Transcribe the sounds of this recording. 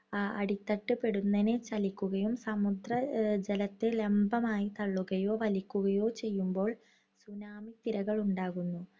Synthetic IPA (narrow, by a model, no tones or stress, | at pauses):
ɐ̰ɽit̪ːɐʈːɨpe̞ɽunːɐnet͡ɕɐlikʲːuɣɐjumsɐmud̪rɐd͡ʑelɐt̪ːɨle̞mbɐmaːjit̪ɐɭːuɣɐjo̞ːʋɐlikʲːuɣɐjo̞ːt͡ɕe̞jːumbo̞ːɭ | sunaːmit̪iɾɐɣɐɭuɳɖaːɣunːu